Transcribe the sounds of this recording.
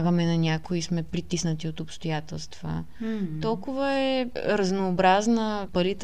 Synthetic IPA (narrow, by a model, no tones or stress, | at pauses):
ɡəmɛnɐnʲakoismɛpɾit̪isnət̪iot̪ʊpst̪ojat̪ɛlˠst̪v̥ə̰ | t̪ɔlˠkʊvəɛɾəznoːbɾaznəpɐlit̪